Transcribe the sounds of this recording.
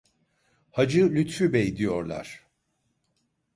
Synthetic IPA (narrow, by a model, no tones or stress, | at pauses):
had͡ʒɯlʲyt̪fybɛid̪ijo̞ɾlˠa̰ɾ̥